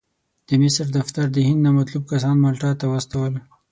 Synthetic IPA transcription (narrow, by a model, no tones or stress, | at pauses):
d̪̥əmɪsɾd̪aft̪aɾd̪əhɪnd̪namat̪lub̚kas̬ɑnmalʈɑt̪awast̪awəl